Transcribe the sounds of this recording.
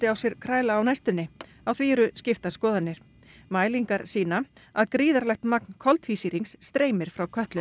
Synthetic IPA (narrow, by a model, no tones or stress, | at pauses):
t̪ɪawsjɛɾ̥kʰɾaːjlaːwnajst̪ʏnːɪ | awθviɛɾʏscɪft̪askɔːðanːɪɾ̥ | maːjliŋkaɾ̥siːnaaðkɾiːðaɾlɛxt̪mak̚nkʰɔlt̪viːsiɾiŋsːt̪ɾeːjmɪɾ̥fɾawkʰœht̪lʏ